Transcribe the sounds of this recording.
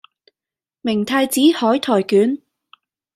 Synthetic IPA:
mɪ˨˩ŋt̪ʰaː˧jt͡siː˨˥hɔː˨˥jt̪ʰɔː˨˩jkyː˨˥n

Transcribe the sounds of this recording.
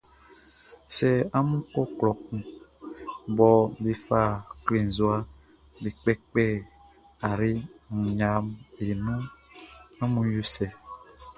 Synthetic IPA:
sɛ˨a˦mũ˦kɔ˦klɔ˨k̚ũ˨ | bɔ˨be˨fa˦˨kle˨n˨zo˦a˦ | be˨k͡pɛ˦k͡pɛ˦˨ | a˨ɾi˦ŋ̩˨ɲã˨me˨nũ˦ | ã˦mũ˦ju˦sɛ˨

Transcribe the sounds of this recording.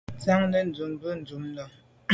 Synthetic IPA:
t͡sa˦ŋnə˦n̩˨d͡zu˨mbə˦n̩˨d͡zu˨˦m˦lɔ˨

